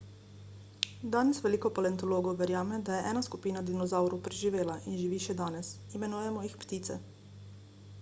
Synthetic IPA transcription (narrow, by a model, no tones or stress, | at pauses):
d̪aːnɛsʋɛliːkɔpalɛnt̪ɔloːɡɔwʋɛɾjaːmɛd̪ajɛʔɛːnaskupiːnad̪inɔzawɾupɾɛʒiʋeːlaʔinʒiʋiːʃɛd̪aːnɛsimɛnuːjɛmɔjixpt̪iːt̪sɛ̰